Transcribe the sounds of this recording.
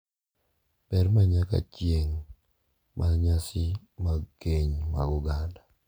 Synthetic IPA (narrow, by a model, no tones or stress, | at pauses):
pɛɾmaɲaka̰t͡ʃjeŋ | mʔaɲasɪ | maɡkeɲma̰ɡʊɡanda